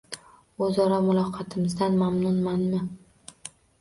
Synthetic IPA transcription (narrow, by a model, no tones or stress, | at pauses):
ɵzɒɾamʊlˠɒqʰɑt̪ʰɪmɪzd̪anmamnʊnmanmɪ